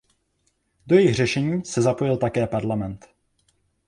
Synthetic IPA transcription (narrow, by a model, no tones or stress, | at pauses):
do̞jɛjɪxr̝ɛʃɛɲiːsɛzapo̞jɪlt̪akɛːpaɾlamɛnt̪